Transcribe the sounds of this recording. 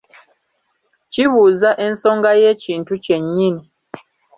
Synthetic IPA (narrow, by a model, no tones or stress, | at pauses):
t͡ʃiβuzaʔɛn̩sɔŋɡajɛt͡ʃin̩tut͡ʃɛɲini